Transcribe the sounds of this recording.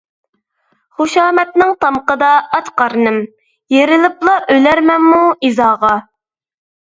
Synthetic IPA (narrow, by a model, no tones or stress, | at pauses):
χuʃɑːmɛt̪̚nɪŋt̪ʰɑmqəd̪ɑɑt̪qɑɾnɪm | jeɾɪlɪplˠɑʔølæɾmɛnmuizɑːʁɑ